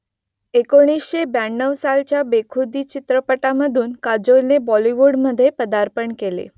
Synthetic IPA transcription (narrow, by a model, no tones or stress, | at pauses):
ekoɽ̃isʃebaɳːəʋsalt͡ɕabekʰud̪it͡ɕɪt̪ɾəpəʈaməd̪ʱunkad͡ʒolnebɔliʋoɽməd̪ʱːjepəd̪aɾpəɳkelḛ